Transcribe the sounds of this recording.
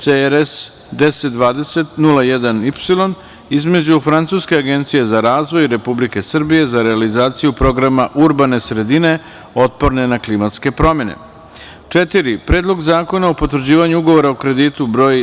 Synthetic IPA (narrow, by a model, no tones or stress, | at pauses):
t̪seɾes | d̪eset̪̚d̪ʋaːd̪e̞se̞t̪nulˠajɛd̪anipsilˠo̞n | izme̞d͡ʑufɾant̪suːske̞aɡe̞nt̪sije̞zaɾaːzʋo̞jɾe̞publike̞sr̩bije̞zaɾe̞alizaːt̪sijupɾo̞ɡɾamaʔuɾbane̞sɾe̞d̪ine̞ | o̞t̪̚po̞ɾne̞naklimat̪ske̞pɾo̞mje̞nḛ | t͡ʂet̪iɾipɾe̞ːd̪lˠo̞ɡzaːko̞naopo̞t̪ʋɾ̩d͡ʑiːʋaɲuuɡo̞ʋo̞ɾaokɾe̞d̪iːt̪ubɾo̞ːj